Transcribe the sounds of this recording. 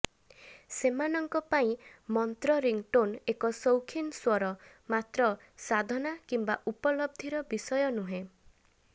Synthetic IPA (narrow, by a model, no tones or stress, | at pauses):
semanɔŋkɔpaĩmɔnt̪ɾɔɾiŋʈonekɔsowkʰinswɔɾɔ | mat̪ɾɔ | sad̪ʱɔnakimbaʔupɔlɔb̚d̪ʱiɾɔbisɔjɔnuɦẽ